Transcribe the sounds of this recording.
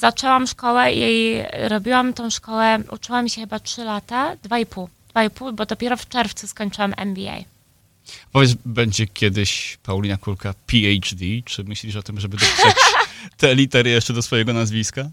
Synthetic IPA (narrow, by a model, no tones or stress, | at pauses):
zat͡ʂɛwamʂkɔwɛjejɾɔbʲiwamt̪ɔ̃w̃ʂkɔwɛʔṵt͡ʂɘwamɕɛxɘbatʂɘlat̪ad̪vaipuwd̪̥vaipuwbɔd̪ɔpʲjɛɾɔft͡ʂɛɾft̪suskɔɲt͡ʂɘwamʔɛ̰nbʲia̰j | pɔvʲjɛʂbɛɲd͡ʑɛkʲʰɛd̪ɘɕpawlʲinakuɾkapʲiɛjt͡ʂd̪ʲit͡ʂɘmɘɕlʲiʂɔt̪ɘmʐɛbɘd̪ɔ | t̪ɛːlʲit̪ɛɾɘjɛʂt͡ʂɛd̪ɔsfɔjɛɡɔnazvʲiska